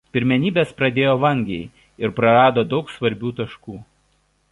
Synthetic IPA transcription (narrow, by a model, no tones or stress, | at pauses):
pʲɪɾʲmʲɛnʲiːbʲeːspɾɐd̪ʲeːjoːʋɐŋʲɡʲɛɪ | ɪɾpɾɐɾɑːd̪oːd̪ɒʊksʋɐɾʲbʲuːt̪ɐʃkuː